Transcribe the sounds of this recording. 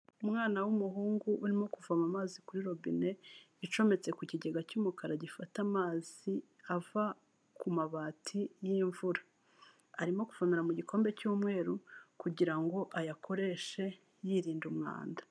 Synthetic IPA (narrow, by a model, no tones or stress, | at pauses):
umŋaːnawumuɦuːŋɡuʔuɾimo̞kuvamamaːzikuɾiɾo̞bḭne̞ | it͡ʃo̞me̞t͡se̞kuciɟe̞ɡacuːmukaɾaɟifatamaːz̥i | ava | kumaβaːtʰijiɱvuɾa | aɾimo̞kuv̥aniɾamuɟikʰo̞ːmbe̞cuːmŋe̞ːɾukuɟiɾaŋɡo̞ʔajakʰo̞ɾe̞ʃe̞ | jiɾiːndumŋa̰ːndḁ